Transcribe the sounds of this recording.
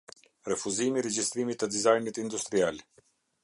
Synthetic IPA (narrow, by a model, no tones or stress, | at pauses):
rɛfuzimiɾɛd͡ʒist̪ɾimit̪ːəd̪izajnit̪ind̪ust̪ɾial